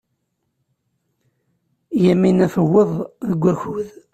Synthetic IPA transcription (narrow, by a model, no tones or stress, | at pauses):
jæmːinæfəwːeðˤðəɡʷːæçuð